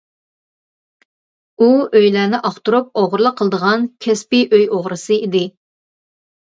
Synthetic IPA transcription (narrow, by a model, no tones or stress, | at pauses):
uøjlænɪʔɑχt̪uɾup̚oʁɾlˠəqʰːəlˠəd̪əʁɑnkʲʰɛspiʔøjoʁɾɨsɨid̪ɪ